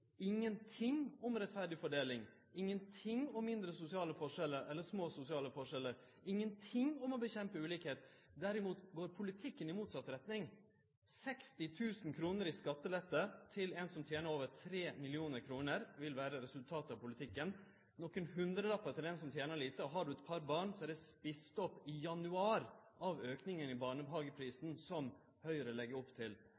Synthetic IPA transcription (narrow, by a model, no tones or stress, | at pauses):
ɪŋːənt̪ʰɪŋɔmɾɛt̪fæɖɪfɔɖeːlɪŋ | ɪŋːənt̪ʰɪŋɔmːɪnd̪ɾəsʊsɪɑːləfɔʂɛlːəɾʔɛlːəʂmoːsʊsɪɑːləfɔʂɛlːəɾ | ɪŋːənt̪ʰɪŋɔmɔbəçɛmpəʉːliːkheːt̪ | d̪æɾɪmuːt̪ɡoːɾpʰʊlɪt̪ʰɪkːənɪmuːt̪sɑt̪ɾɛt̪nɪŋ | sɛkst̪ɪt̪ʰʉːsn̩kʰɾuːnəɾiskɑt̪ːəlɛt̪ːət̪ʰɪlɛnsɔmt̪ʰjeːnəɾoːʋəɾtʰɾeːmɪlɪuːnəɾkʰɾuːnəɾʋɪlʋæːɾəɾɛsʉlt̪ʰɑːt̪ɑʋpʊlɪt̪ʰɪkːən | nɔkːənhʉnd̪ɾəlɑpːɑt̪ʰɪlɛnsɔmt̪ʰjeːnəɭiːt̪əɔɦɑɖʉɛt̪pʰɑɾbɑːɳsɔæɖɛspɪst̪ɔpːɪjɑnʉɑːɾʔɑʋøːknɪŋənɪbɑːɳəbɦɑːɡəpʰɾiːsn̩sɔm | hœʏəɾəlɛɡːəɾɔpːt̪ʰɪl